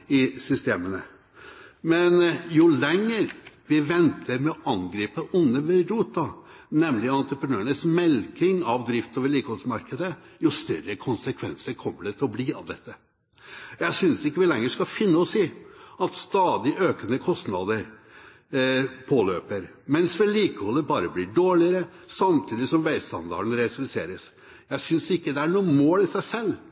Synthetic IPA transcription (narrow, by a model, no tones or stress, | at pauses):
ɪsʏst̪eːmənə | mɛnjʊlɛŋːəɾʋɪʋɛnt̪ʰəɾmɛɔʔɑŋɡɾiːpəʔʊnːəʋɛɾuːt̪ːɑ | nɛmlɪɑnt̪ɾəpɾənøːəɳəsmɛlkɪŋɑʋd̪ɾɪft̪oːʋəɭiːkəhoːsmɑɾkəd̪əjʊst̪œɾəkʰʊnsəkʰʋɛ̰nsəɾkʰɔmːəɖɛt̪ʰɪlɔbliɑ̰ʋd̪ɛt̪ːə | jæɪsʏnsɪkːəʋɪlɛŋːəʂkɑfɪnːəɔsiːɑt̪st̪ɑːd̪ɪʔøːkənəkʰɔst̪nɑd̪əɾ | pʰoːløːpəɾ | mɛnsʋɛliːkəhɔlːəɾbɑːɾəblɪɖoːɭɪəɾə | sɑmt̪ʰiːd̪ɪsɔmʋæɪst̪ɑ̰nd̪ɑ̰ɾɳ̩ɾɛslsḛːɾəs | jæɪsʏnsɪkːəd̪ɛæɳuːəmoːlɪsæɪsɛlː